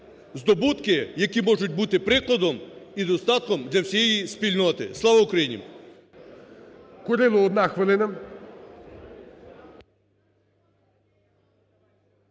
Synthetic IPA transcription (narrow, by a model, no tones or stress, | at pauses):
zd̪ɔbut̪kɪjɐkʲimɔʒʊt̚ʲbut̪ɪpɾɪklˠɐd̪ɔmid̪ɔst̪ɑt̪̚kɔmd̪ʲlʲɐwsʲijɛjispʲilʲnɔt̪ɪ̰slˠɑʋɐukɾɐjinʲḭm | kʊɾɪlˠʊɔd̪nɑxʋɪlˠɪnɐ